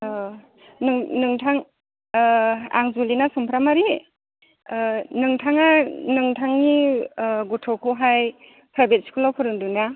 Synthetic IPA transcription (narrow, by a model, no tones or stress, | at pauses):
nɯŋnɯŋtʰaŋ | a̰ŋzulinasɔmpʰɾamaɾi | nɯŋtʰaŋanɯŋtʰaŋniɡutʰɔwkʰɔɦaj | pʰɾajbet̚si̥kʰulawpʰɯɾɯŋduna